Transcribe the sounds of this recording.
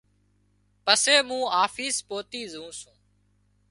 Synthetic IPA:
pəseːmũːaːfiːspoːt̪iːzũːsũː

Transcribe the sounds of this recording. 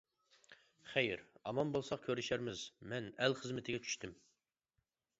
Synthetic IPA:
χɛjɾɑmɑnbolˠsɑq̚kʲʰøɾɪʃæɾmɪzmɛnælχəzmɪt̪ʰɪɡʲɛt͡ʃʰy̥ʃt̪ʰɪm

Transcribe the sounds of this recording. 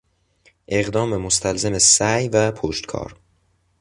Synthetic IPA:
ʔe̞ɣd̪ɒːmemost̪ʰælzemesæjvæpʰoʃt̪kʰɒ̰ːɾ

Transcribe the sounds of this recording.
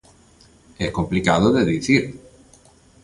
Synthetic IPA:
ehko̞mplikaðoðeðiθiɾ

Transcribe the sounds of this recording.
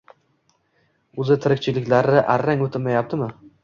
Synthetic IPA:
ʊzɪt̪ʰɪɾɪkʲt͡ʃʰɪlɪkʲlaɾnɪʔaɾːaŋɵt̪ʰɪmajap̚t̪ʰɪmɪ

